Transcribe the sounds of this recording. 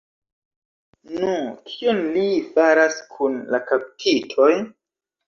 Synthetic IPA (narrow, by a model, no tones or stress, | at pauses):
nukʰionlifaɾaskʰunlakaptʰitʰo̞j